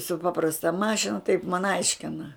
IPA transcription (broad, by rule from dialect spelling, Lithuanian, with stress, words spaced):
sʊ ˈpɑːprɐstɐ ˈmɑːʃʲɪnɐ tɐɪp mɐn ˈɐɪʃʲkʲɪnɐ